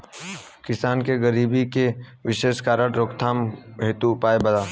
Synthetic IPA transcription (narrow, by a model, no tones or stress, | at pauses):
kɪsaːnkeɡəɾiːbikeʋɪʃeːʃkaːɾəʈɾoːkt̪ʰaːmeːt̪uːpaːebɐd̪aː